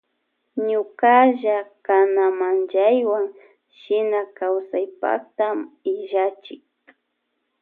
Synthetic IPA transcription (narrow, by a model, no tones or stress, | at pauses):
ɲʊkaʒakanamand͡ʒajwaŋ | ʃɪnakawsajpa̰kt̪amɪʒat͡ʃɪk̚